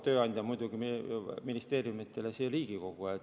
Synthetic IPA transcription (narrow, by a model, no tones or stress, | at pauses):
t̪ø̞ːɑnʲd̪jɑmujd̪uɡiminist̪e̞ːɾjumit̪ːˑe̞lesiliːɡ̥iko̞ɡ̥uet̪